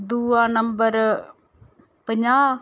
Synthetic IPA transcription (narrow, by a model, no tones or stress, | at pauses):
d̪uːãːnəmbəɾ | pəɲãː